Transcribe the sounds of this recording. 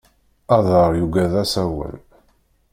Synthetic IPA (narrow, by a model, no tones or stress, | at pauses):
ɑðˤəɾˤjuɡæðæsæwæ̰l